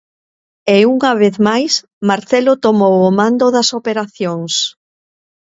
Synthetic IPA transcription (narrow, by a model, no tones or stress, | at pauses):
euŋɐβ̞eθmajs | maɾθɛlʊt̪omowomãnd̪oðɐsopeɾaθjoŋs